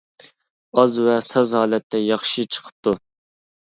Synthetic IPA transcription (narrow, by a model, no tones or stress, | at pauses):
ɑzwɛsɑzhɑːlɛt̪ʰːɛjɑχʃit͡ʃʰə̥qʰə̥p̚t̪ʰu